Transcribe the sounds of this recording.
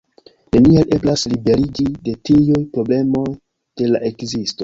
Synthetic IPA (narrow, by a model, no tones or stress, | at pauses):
ne̞niale̞blaslibe̞ɾid͡ʒide̞tijujpɾo̞ble̞mo̞j | d̥e̞laʔe̞kzisto̞